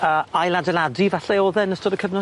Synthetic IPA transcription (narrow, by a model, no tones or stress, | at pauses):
əajladɛladivaɬɛɔlˠðɛnəstɔdəkʰəvnɔ